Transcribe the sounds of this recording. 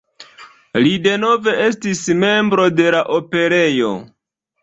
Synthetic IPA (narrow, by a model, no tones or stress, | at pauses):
lide̞no̞ve̞e̞s̬tisme̞mbɾo̞de̞laʔo̞pe̞ɾe̞jo̞̰